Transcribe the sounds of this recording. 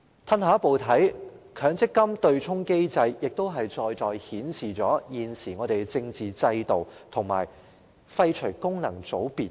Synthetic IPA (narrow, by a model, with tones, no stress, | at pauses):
t̪ʰɐ˥nhaː˨˥po˨wt̪ʰɐ˨˥jkʰœː˨˥ŋt͡sɪ˥kːɐ˥mt̪ɵ˧ɥt͡sʰʊ˥ŋke˥jt͡sɐ˧jːɪ˨k̚t̪o˥wɦɐ˨jt͡sɔː˧jt͡sɔː˧jhiː˨˥nsiː˨˩t͡sɔː˨˥jiː˨nsiː˨˩ŋɔː˨˧ɾe˨jt͡sɪ˧ŋt͡siː˨t͡sɐ˧jt̪o˨wt̪ʰʊ˨˩ŋma̰ː˨˩j | fɐ˧jt͡ʃʰɵ˨˩jkʊ˥ŋnɐ˨˩ŋt͡so˨˥wpiː˨t̚